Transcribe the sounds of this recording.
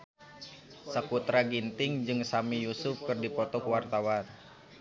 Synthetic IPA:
sakut̪ɾaɡint̪ɪŋd͡ʒɨŋsamijusʊfkɨrdipɔt̪ɔkəwart̪awan

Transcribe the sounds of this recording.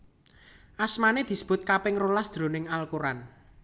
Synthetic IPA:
ʔasmaned̪̥i̤sə̥b̥ʊ̤t̪̚kapɪŋrolasd̪̥ɾo̤nɪŋalkuɾan

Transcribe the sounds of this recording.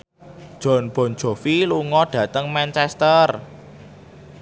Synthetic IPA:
d̥ʒ̥ɔ̤nb̥ɔ̤n̥ʒ̥o̤filuŋɔɖ̥ä̤t̪əŋmɛnt͡ʃɛst̪ər

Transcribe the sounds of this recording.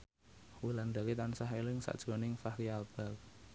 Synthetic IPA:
wiland̪a̤kit̪ansaɦelɪŋsa̰ʔd̥ʒ̥ɾɔ̤nɪŋfahkialb̥ak̚

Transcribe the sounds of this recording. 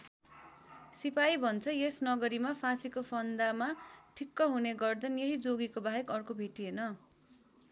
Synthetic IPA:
sipajibʱʌnt͡sʰʌjesnʌɡʌɾimapʰãsikopʰʌnd̪amaʈʰikːʌɦuneɡʌrd̪ʌnjeɦid͡zoɡikobaɦekʌrkobʱeʈienʌ

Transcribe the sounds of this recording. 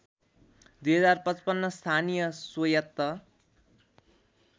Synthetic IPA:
d̪ujɦʌd͡zarpʌt͡spʌnːʌst̪ʰanijʌsojʌt̪ːʌ

